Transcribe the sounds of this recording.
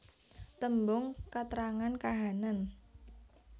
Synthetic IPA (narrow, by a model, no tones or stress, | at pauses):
t̪əmbʊŋkat̪ɾaŋankaɦanan